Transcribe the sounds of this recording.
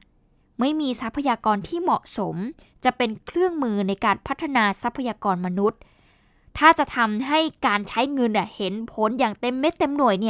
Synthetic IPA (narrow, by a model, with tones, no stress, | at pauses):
ma˥˩jmiː˧sa˦˥pʰːa˧jaː˧kɔː˧nt̪ʰiː˥˩mɔ̰˨˩ʔso˩˦m | t͡ɕa˨˩pe˧nkʰlɯ˥˩əŋmɯː˧na˧jkaː˧npʰa˦˥t̪ʰːa˧naː˧sa˦˥pʰːa˧jaː˧kɔː˧nma˧nu˦˥t̪̚ʰː | aː˥˩t͡ɕa˨˩t̪ʰa˧mɦa˥˩jkaː˧nt͡ɕʰa˦˥jŋɤ˧nːa˧˨˩he˩˦npʰo˩˦njaː˨˩ŋt̪e˧mːe˦˥t̪ːe˧mnu˨˩əjni˥˩ɐ